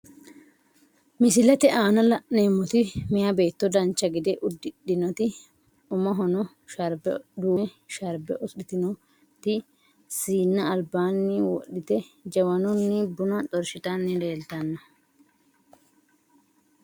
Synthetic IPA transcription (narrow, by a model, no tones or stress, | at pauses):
mɪsɪlɛt̪ɛʔaːnɐlɐʔneːmːɔt̪ɪmɪjɐbe̞ːt̪ːɔd̪ɐnt͡ʃːɐɡɪd̪ɛʔʊd̪ːɪɗɪnɔt̪ɪ | ʊmɐɦɔnɔ | ʃɐɾbɛd̪uːʃɐɾbɛʔɔɪt̪ɪnɔ | t̪ɪ | siːnːɐːlbaːnːɪwɔ̰ɗːɪt̪ɛd͡ʒɐwɐnɔnːɪbʊnɐt̪ɔɾʃɪt̪ɐnːɪle̞ːlt̪ɐnːɐ